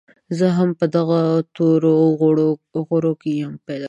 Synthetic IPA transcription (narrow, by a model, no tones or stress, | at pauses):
zəɦampəd̪aɣat̪oɾo | ɣoɽokejəmped̪a